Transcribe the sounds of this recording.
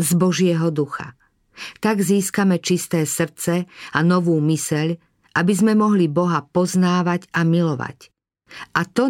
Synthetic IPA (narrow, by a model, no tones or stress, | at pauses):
zbɔʒɪɛɦɔd̪uxa̰ | t̪aɡziːskamɛt͡ʃist̪ɛːsr̩t͡sɛanɔʋuːmisɛʎ | ʔabizmɛmɔɦlibɔɦapɔznaːʋaɟamilɔʋa̰c | ʔat̪ɔ